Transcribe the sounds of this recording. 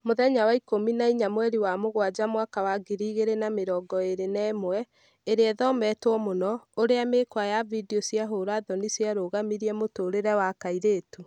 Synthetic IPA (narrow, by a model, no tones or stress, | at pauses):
moðɛɲawaikominaiɲamwɛɾiwamoɣwad͡ʑamwakawaɡiɾiːɣeɾenameɾɔːɡɔeɾenɛːmwɛ | eɾeɛðɔmɛtwɔmonɔoɾeamekwajavidiɔsiaɦoɾaðɔnisjaɾoːɣamiɾiɛmotoːɾeɾɛwakaiɾeːtu